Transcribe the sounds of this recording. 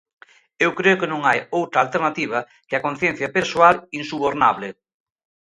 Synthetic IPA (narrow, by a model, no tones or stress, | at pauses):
ewkɾeʊkɪnõŋajowt̪ɾɐaːlt̪eɾnat̪iβ̞ɐ | keɐkon̟θjɛn̟θjapesoalinsuβoɾnaβlɪ